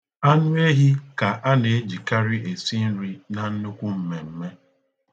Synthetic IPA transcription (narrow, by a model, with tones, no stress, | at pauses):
a˦nʊ˦e˦ɦi˦ka˨ʔa˦ne˨e˦d͡ʒi˨ka˦ɾi˦e˨si˦n̩˦ɾi˦na˨n̩˦nʊ˦kʷu˦m̩˦me˨m̩˦me˦